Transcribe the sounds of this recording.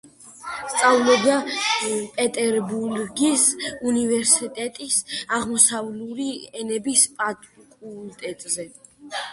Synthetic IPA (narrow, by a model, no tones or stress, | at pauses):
st̪sʼavlˠɔbd̪a | pʼɛt̪ʼɛɾbuɾɡisunivɛɾsit̪ʼɛt̪ʼisaʁmɔsavluɾiɛnɛbispʼat̪ʼkʼult̪ʼɛt̪ʼzɛ